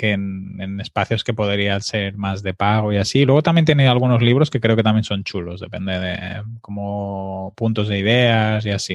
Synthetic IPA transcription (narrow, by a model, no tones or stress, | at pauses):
kenenespaθjo̞skepoðeɾiase̞ɾmazðe̞paɣ̞oiasilweo̞t̪ambjent̪jenealɣ̞uno̞zliβ̞ɾo̞ske̞kɾe̞okeamje̞nso̞nt͡ʃulo̞zðe̞pend̪eðḛkomopunt̪o̞zðeiðeaziasi